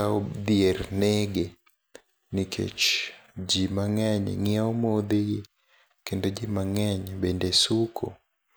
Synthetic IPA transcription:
aɔdiɛɾnɛɡɛ | nikʰɛ̰t͡ʃd͡ʒimaŋaɲɛ̰ŋiaɔmɔðɛjɛ | kɛndɔd͡ʒimaŋaɲɛɓɛndɛsukʰɔ̰

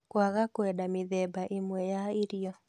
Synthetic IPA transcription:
kwaɣakwɛdamɪðɛbaʔɪmwɛjaɪɾijɔ

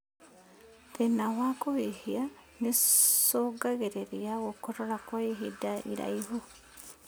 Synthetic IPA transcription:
ðenawakohihia | nesoɡaɣeɾeɾiaɣokoɾoɾakwaiɦidaʔḭɾa̰iɦu

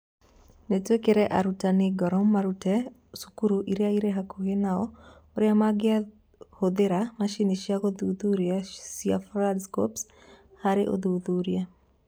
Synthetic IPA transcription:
netwekeɾeʔa̰ɾutanɪɡɔɾɔmːaɾutɛ | su̥kuɾuʔiɾeaiɾeɦakoɡenaɔ | oɾjamaɡɪa | hod̪eɾamaʃiniʃjaɡod̪uðuɾjasiafɾadsko̰ps | haɾeʔo̰d̪ud̪uɾja

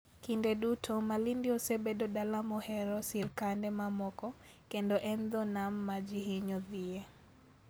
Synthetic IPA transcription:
kindedutʰɔmalindiosebedɔdalamɔhɛɾɔsɪɾkandɛmamɔkɔ | kendɔʔɛnd̪ɔnamːad͡ʒihiɲɔðie

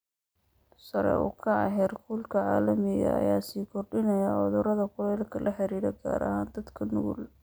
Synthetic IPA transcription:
sɐɾɛ̰ʊ̰kʰɐɑ̰ɦɛrkʰuːlkʰɐʕaːlɐmɪɣɐ̰ɐ̰jaːsiːkʰɔrɖɪnɐjɐʕɔðʊɾɐðɐqʊlɛjlkʰɐlʔɐħɪɾiːɾɛɡa̰ːɾɐ̰haːnd̪ɐd̪kʰɐnʊɣʊl

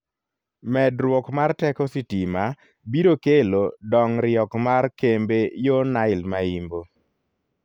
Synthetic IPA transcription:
mɛdɾwɔkmartɛkɔsitima | biɾokelodɔŋɾɪɔkmaɾkembejonaɪlmaimbo

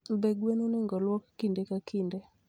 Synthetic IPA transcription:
beɡwenonɪŋɡɔlwɔkːindekakinde

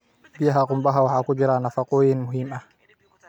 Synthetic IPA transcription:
bɪjɐɦɐqʊmbɐɦɐwɑħɑːkʊd͡ʒɪɾaːnɐfɑqɔːjɪnmʊɦiːmɐh

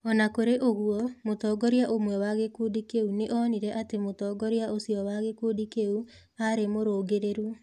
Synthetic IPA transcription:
ɔnakoɾeʔoɣuɔmotɔːɡɔɾiaʔomwɛwaɣekuːdikeuneʔɔniɾɛʔatemotɔːɡɔɾjaʔosiɔwaɣekuːdikeu | aɾemoɾoːɡeɾeɾu

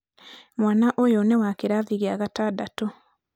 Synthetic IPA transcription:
mwaːnaʔojonewakeɾaðiɣeaːɣataːdato

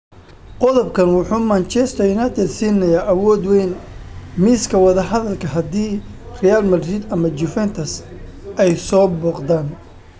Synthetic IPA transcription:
qɔðɔbkʰɐnwɑħuːmant͡ʃɛst̪ʰɔɪnɐt̪ʰɛd̪siːnɐjaːʔɐwɔːd̪wɛjnmiːskʰɐwɑðɐɦɐðɐlkʰɐɦɐd̪iː | rɛjalmɐdɾɪd̪ɐmɐd͡ʒʊfɛnt̪ʰɐs | ɛjsɔːbɔːqd̪aːn

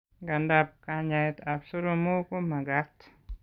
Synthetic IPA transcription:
ɡandap̚kaɲaet̪absuɾomukumaɡat̪

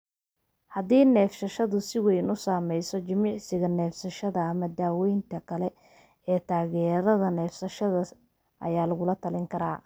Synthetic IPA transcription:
hɐðiːnɛːfsɐʃɐðʊsɪwɛjnʊsaːmɛjsɔt͡ʃɪmɑʕsɪɣɐnɛːfsɐʃɐðɐːmɐd̪aːwɛjnt̪ʰɐkʰɐlɛ | ɛːt̪ʰaːɣɛːɾɐðɐnɛːfsɐʃɐðɐ | ʔɐ̰jaːlɐɣʊlɐt̪ʰɐlɪŋkʰɐɾa̰ː

